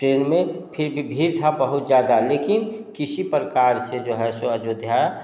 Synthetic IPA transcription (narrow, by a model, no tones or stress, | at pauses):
ʈɾeːnmẽpʰɪɾbʱibʱiːɾt̪ʰabəɦʊt̪zjaːd̪aleːkɪnkɪsipɾəkaːɾsed͡ʒoːɦɛsoəd͡ʒod̪ʱja